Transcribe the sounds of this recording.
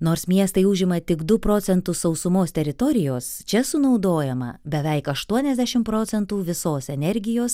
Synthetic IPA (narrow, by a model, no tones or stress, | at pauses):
noːɾsmʲiɛst̪ɐɪʊʒʲɪmɐt̪ʲɪɡd̪ʊpɾoːsʲɛnt̪ʊssɒʊsʊmoːst̪ʲɛɾʲɪt̪ɔɾʲɪjoːst͡ʃʲɛsʊnɒʊd̪oːjɛmɐ̰bʲɛʋʲɛɪkɐʃt̪uɔnʲɛzʲd̪ʲæʃʲɪmpɾoːt̪sʲɛnt̪uːʋʲɪsoːsɛnʲɛɾʲɡʲɪjoːs